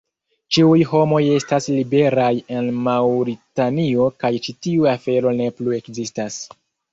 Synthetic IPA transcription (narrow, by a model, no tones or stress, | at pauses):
t͡ʃiujho̞mo̞je̞staslibe̞ɾaje̞nmawɾitanio̞kajt͡ʃitiuafe̞ɾo̞ne̞plue̞kzistas